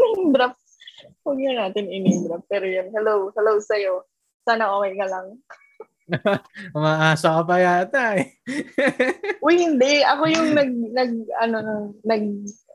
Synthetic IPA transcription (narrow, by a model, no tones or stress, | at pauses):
mɪmbɾɐp̚ | wɐɡinɐnaːt̪ɪnɪmɪmbɾɐp̚pːɛːɾojanhɛlowhɛlowsɐjo̞ | saːnɐɐwɐjkɐlɐŋ | ʊmaːʔaːsɐkɐpɐjat̪aj | ʔʊjhɪnd̪ɛʔɐko̞jʊŋnɐɡ̚nɐɡ̚ɐ̰nonʊŋnɐɡ̚